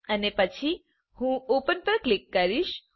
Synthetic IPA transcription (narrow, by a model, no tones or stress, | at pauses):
ənepət͡ʃʰi | hũopənpəɾklikːəɾiʃ